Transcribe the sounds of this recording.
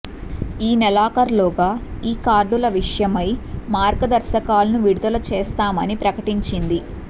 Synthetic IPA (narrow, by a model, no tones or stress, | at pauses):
iːnɛlaːkɐɾloːɡaːiːkaːɾɖulɐʋiʂɐjɐmɐjmaːɾɡɐd̪ɐɾʃɐkaːlɐnuʋiɽud̪ɐlɐt͡ʃeːst̪aːmɐnipɾɐkɐʈiɲt͡ʃind̪i